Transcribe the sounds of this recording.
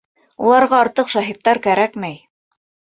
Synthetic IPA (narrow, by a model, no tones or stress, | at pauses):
ṵlˠɑɾʁɑɑɾt̪ɤqʃɑɦit̪ːɑɾkæɾækmæj